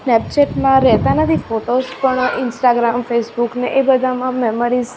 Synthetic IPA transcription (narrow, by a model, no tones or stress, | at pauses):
snɛp̚t͡ʃeʈmãɾɛɦt̪anət̪ʰifoʈozpəɳɪnsʈaɡɾamfesbukneʔebəd̪ʱamãmɛməɾiz